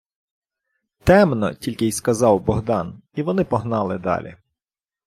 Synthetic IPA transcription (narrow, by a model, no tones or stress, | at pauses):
t̪ɛmnɔ̰tʲilʲkɪjskɐzɑwbɔɦd̪ɑniʋɔnɪpɔɦnɑlˠɪd̪ɑ̰lʲḭ